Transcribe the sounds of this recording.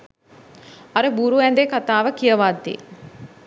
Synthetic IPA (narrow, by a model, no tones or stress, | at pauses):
ɐɾəbuːɾuɛnd̪ekat̪aːʋəkijɐʋaːd̪ːḛː